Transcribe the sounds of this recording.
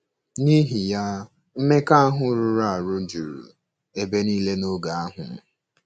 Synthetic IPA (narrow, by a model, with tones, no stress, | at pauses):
ni˦ɦi˨ja˦ | m̩˦me˦ka˦a˦ɦʊ˦ɾu˦ɾa˦˨a˨ɾʊ˦d͡ʒu˨ɾṵ˨ | e˨be˦niː˦le˦no˦ɡa˨a˦ɦʊ̰˨m̩˦